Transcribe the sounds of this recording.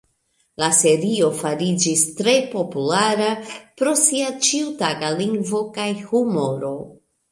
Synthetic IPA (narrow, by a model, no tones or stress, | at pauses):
lase̞ɾio̞faɾid͡ʒistɾe̞po̞pulaɾapɾo̞siat͡ʃiutaɡaliŋɡvo̞kajhumo̞ɾo